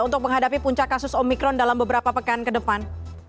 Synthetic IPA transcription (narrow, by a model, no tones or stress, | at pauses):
unt̪ʊk̚məŋɦadapipuɲt͡ʃakːasʊsɔmikɾɔndalambəbəɾapapəkankədəpan